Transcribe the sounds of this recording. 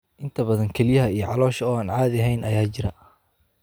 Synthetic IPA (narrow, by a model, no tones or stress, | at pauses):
ʔɪnt̪ʰɐbɐðɐŋkʰɛlɪjɐɦɐijɞʕɑlɔːʃɐɔːaːnʕɑːðɐɦɛjnʔɐjaːt͡ʃɪɾɐ